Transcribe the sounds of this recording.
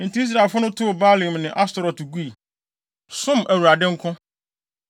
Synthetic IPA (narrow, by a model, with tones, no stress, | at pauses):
n̩˨ti˨˦i˦s̬ɾa˨e˨lfʊ˦nʊ̃˦tʰʊ˦˨ba˦lĩ˨mnɪ̃˨ʔa˦stɔ˨ɾɔ˨tɡu˦i˨ | sʊ̃˦mʔæ˨wu˨ɾa˨dɪ̃˦ŋ̩˦kʰʊ̃˦